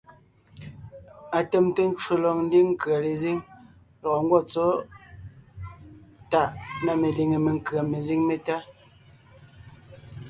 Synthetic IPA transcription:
a˨te˨mte˦n̩˦t͡ʃwo˨lɔ˨ŋn̩˦di˦ŋ̩˦ka˨le˨zi˦ŋ | lɔ˨ŋ̩˦ɡwɔ˦˨t͡sɔ˦ | ta˨ʔna˨me˨li˨ŋe˨me˨ŋ˦kɰa˨me˨zi˦ŋme˨ta˦

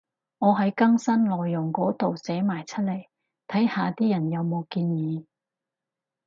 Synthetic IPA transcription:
ŋɔː˨˧ɦɐ˨˥jkɐ˥ŋsɐ˥nlɔː˨jːʊ˨˩ŋkɔː˨˥t̪o˨wsɛː˨˥maː˨˩jt͡sʰɐ˥t̚lɐ˨˩j | t̪ʰɐ˨˥jhaː˨˧t̪iː˥jɐ˨˩njɐ˨˧wmo˨˧wkiː˧njiː˨˧

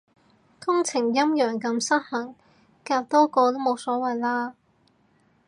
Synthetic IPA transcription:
kʊ˥ŋt͡sʰɪ˨˩ŋjɐ˥mjœː˨˩ŋkɐ˨˧msɐ˥t̚hɐ˨˩ŋ | kaː˧wt̪ɔː˥kɔː˧t̪o˥mo˨˧wsɔː˨˥wɐ˨jlaː˥

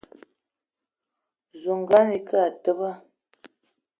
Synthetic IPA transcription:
zo˨ŋ˨ɡa˦ni˨kə˦a˨tə˦ba˦

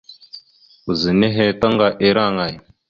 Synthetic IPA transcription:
u˨zi˨ne˦ɦe˦ta˦ŋɡa˨ʔe˦ɾa˦˨ŋa˨j

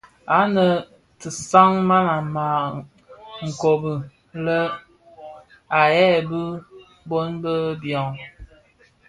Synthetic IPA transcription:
a˨˦nə˨ | tə˨sa˦ŋma˦na˨ma˨ | ŋ̩˨ko˨bə˨ | lə˦ | a˨jɛ˦˨bə˦ | bo˦nbə˦bjɔ˨ŋ

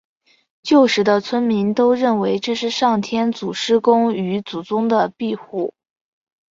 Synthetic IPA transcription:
t͡ɕjo˥˩ʊʂɻ̩˧˥d̪ə˧t͡sʰwə˥nmi˧˥nt̪o˥ʊɻə˥˩nwe˧˥ɪʈ͡ʂɤ˥˧ʂɻ̩˥˧ʂɑ˥˩ŋt̪ʰjɛ˥nt͡su˨˩ʂɻ̩˥kʊ˥ŋy˧˥t͡su˨˩t͡sʊ˥ŋd̪ə˨pi˥˧xu˥˩

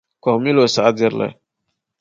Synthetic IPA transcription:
kɔ˨mi˦lo˨sa˨a˦di˦ɾla̰˨

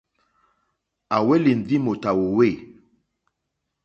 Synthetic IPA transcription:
a˨we˦li˨n˨di˦mo˨ta˨wo˨we˦˨

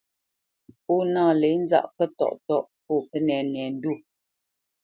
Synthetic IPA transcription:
po˦naː˦˨lɛ˨˦n̩˦za̰˦ʔkə˦tɔ̰˦˨ʔtɔ˦ʔpɔː˦˨pə˦nɛ˨n˨ɛ˨n̩˦du˦˨

